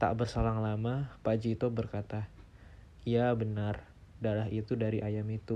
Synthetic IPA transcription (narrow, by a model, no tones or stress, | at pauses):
t̪a̰ʔbərsalaŋlamapad͡ʒit̪obərkat̪a | ijabənar | dalaɦit̪udaɾiʔajamit̪u